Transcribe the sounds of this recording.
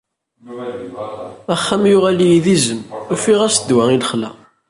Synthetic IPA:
æχːæmjʊʁælijiðizəmufiʁæsd̪wæiləχlæ̰

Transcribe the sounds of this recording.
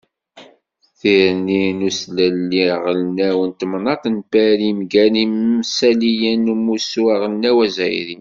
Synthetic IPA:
θiɾninuslælːiʁəlnæwənt̪mnɑt̪ˤnpæɾimɡænimmsælijænmusuaʁəlnæwæzæjɾi

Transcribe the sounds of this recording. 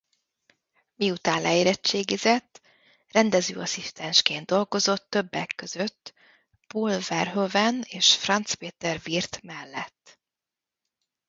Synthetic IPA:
miut̪aːnlɛjiɾɛt͡ʃːeːɡizɛt̪ː | rɛnd̪ɛzø̰ːɒsist̪ɛnʃkeːnd̪o̞lɡo̞zo̞t̪ːø̞bːɛkːøzø̞t̪ː | pulvɛrɦøvɛneːʃfrɒnt̪speːt̪ɛrvirt̪mɛlːɛt̪ː

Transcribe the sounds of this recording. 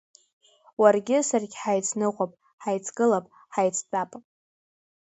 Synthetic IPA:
warɡʲɪsarɡʲħajt͡sʰnɨqʷapʼ | ħajt͡sʰɡɨlapʼ | ħajt͡sʰdʼapʼ

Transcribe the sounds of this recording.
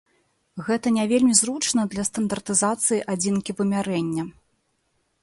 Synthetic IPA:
ɣɛt̪ɐnʲavʲelʲmʲizɾut͡ʂnɐd̪lʲɐst̪ɐnd̪ɐrt̪ɨzat̪sɨjiʔad͡zʲinkʲivɨmʲaɾɛnʲːɐ

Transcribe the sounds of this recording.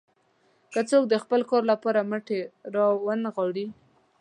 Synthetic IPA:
kət͡sok̚d̪əxpəlkɑɾlapɑɾaməʈeɾɑwanɣɑɽi

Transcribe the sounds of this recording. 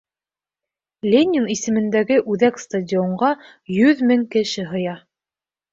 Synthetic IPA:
lʲenʲɪnisɘ̆mɘ̆nd̪æɡɘʔʉðækst̪ɐdʲioɴɢɑ | jɵðmɘŋkɘ̆ʃɘɦɤ̆jɑ

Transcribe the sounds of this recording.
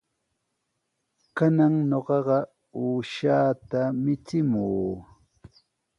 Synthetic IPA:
kanaŋɲoɢɑɢɑ | uːʃaːt̪amɪt͡sɪmuː

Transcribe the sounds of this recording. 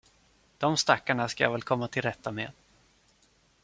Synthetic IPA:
d̪̥ɔmst̪akːaɳaskaja̰ːvɛlkʰɔmːat̪ʰɪlɾɛt̪ʰːamḛːd̪̥

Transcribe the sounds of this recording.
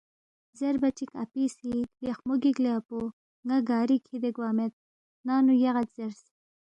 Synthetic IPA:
zeɾbɐt͡ʃika̰pisibjexmoɡiɡleapo | ŋaɡɑːɾikʰid̪eɡwaːmet̪̚ | nɑːnujɐɣat̪z̥eɾs

